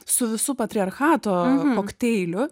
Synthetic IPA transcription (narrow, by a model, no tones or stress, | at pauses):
sʊʋʲɪsʊpɐt̪ʲɾʲɪɐɾxɑːt̪oːkoːkt̪ʲɛɪlʲʊ